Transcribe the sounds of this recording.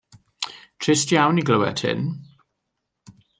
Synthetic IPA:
tʰɹɪstjawniɡləwɛ̰tʰhɪ̰n

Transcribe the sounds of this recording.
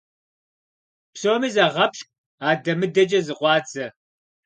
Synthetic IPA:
psoːmiːzɐʁɐpʃk̚ʷʼ | aːdɐmɨdɐt͡ʃʼɐzɨqʷɑːd͡zɐ

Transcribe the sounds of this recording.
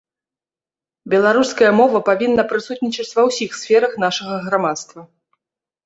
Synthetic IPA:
bʲɛlˠaɾuskɐjɐmɔvɐpavʲinːɐpɾɨsut̪nʲit͡ʃɐt͡sʲvɐwsʲixsfʲɛɾɐxn̪aʂɐɣɐɣɾamat̪st̪vɐ

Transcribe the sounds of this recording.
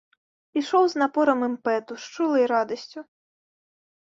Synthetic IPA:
pʲiʃɔwznɐpɔɾɐmɪmpɛt̪ʊʃt͡ʃulˠɪjɾɑd̪ɔsʲt͡sʲʊ

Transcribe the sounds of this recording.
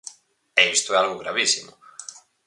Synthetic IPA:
eist̪oɛalɣʊɣɾa̰βisimʊ̰

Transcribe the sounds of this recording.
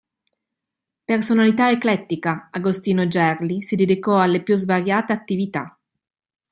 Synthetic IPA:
personalit̪aeklɛt̪ːikaaɡost̪iːnod͡ʒɛrlisid̪ed̪ikɔalːepjuzvaɾjaːt̪eat̪ːivit̪a̰

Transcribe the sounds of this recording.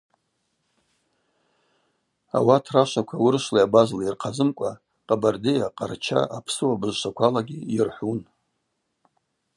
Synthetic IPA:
a̰watʰraʃʷakʷʰawʊrʃlaabazlairqʰazɨmkʷʼa | qʼabardejaqʼart͡ʃʰa̰ʔapʰsɨwabɨʒʃakʷʰalaɡʲiirħʷun

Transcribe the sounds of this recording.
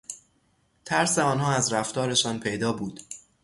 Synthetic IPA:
t̪ʰæɾseɒːnɦɒːæzɾæft̪ɒːɾe̞ʃɒːnpʰe̞jd̪ɒːbuːd̪̥

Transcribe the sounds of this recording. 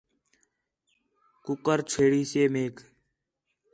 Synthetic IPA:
kʊkəɾt͡ʃʰeːɽiːseːmeːk

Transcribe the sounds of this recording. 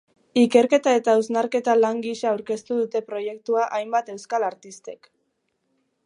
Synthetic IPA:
ike̞ɾke̞t̪ae̞t̪auznaɾke̞t̪alaŋɡiʃaːwɾke̞st̪uðut̪e̞pɾo̞je̞kt̪uaʔajmbat̪e̞wskalaɾt̪ist̪e̞k

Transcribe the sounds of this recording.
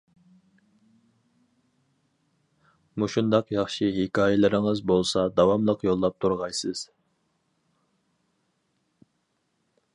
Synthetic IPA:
muʃund̪ɑqjɑχʃiɦikʲʰɑːjɛlɪɾɪŋɨzbolˠsɑd̪ɑwɑmlˠəqjolˠːɑp̚t̪ʰuɾʁɑjsɨz̥

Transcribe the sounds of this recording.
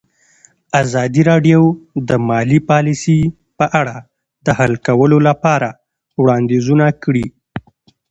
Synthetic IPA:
azɑd̪iɾɑɖjowd̪əmɑlipɑlisi | pəʔaɽa | d̪əhalkawəlolapɑɾa | wɽɑnd̪ezunakɽi

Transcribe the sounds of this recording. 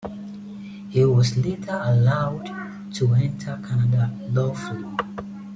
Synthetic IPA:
hiwɔzletʰəəlaʊd | tʰuɛ̃ntʰəkʰanadalɔflo

